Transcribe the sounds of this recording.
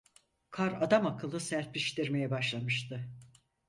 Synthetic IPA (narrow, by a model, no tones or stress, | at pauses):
kʰaɾad̪amakʰɯlˠɯsæɾt̪̚liʃt̪iɾme̞jɛbaʃlˠamɯʃt̪ʰɯ